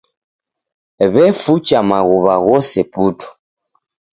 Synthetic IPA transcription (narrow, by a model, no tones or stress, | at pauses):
βɛfut͡ʃamaɣuβaɣɔsɛputu̥